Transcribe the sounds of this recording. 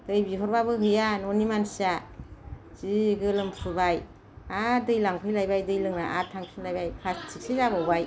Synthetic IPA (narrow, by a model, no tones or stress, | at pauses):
d̥ɯjbiɦɔɾbabɯɦɯjanonimansia | ziɡɯlɯmpʰɯbaj | adɯjlaŋpʰɯjlajbajdɯjlɯŋnaʔatʰaŋsʰinlajbajpʰastʰiksizabɔbaj